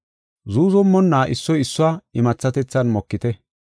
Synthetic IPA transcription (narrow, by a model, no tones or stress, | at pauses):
zuːzɔmːɔnːaːʔɪsːɔjɪsːʊwaːɪmɐt͡sːɐt̪ɛt͡sːɐnmɔkːɪt̪ɛ